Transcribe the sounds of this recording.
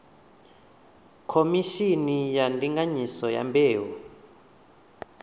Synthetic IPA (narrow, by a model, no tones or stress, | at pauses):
kʰomiʃinijandiŋɡaɲisɔja̰mbʱeːwu